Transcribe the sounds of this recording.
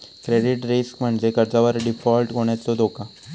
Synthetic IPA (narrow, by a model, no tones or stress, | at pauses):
kɾeɖiʈɾiskm̤əɳd͡ʑekəɾd͡zaʋəɾɖifɔlʈɡoɽ̃et̪ːod̪oka